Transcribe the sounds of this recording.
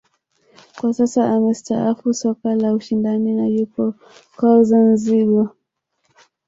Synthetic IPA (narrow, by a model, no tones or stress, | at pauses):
kwasasaamɛstaafusɔkalauʃindaninalipɔ | kɔzanziɠa